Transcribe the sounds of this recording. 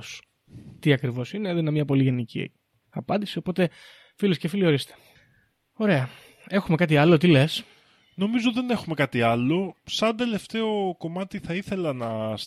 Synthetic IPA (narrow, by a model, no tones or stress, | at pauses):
s | t̪iɐkɾivo̞sineðoinemɲɐpo̞liʝe̞nicḭ | ɐpɐnd̪isio̞po̞t̪e̞ | filiscefilio̞ɾist̪e̥ | o̞ɾe̞ɐ | e̞xume̞kɐt̪̬iɐlot̪ile̞s | no̞mizoðe̞ne̞xume̞kɐt̪iɐlo̞sɐnd̪e̞le̞ft̪e̞o̞ko̞mɐt̪iθɐiθe̞lɐnɐs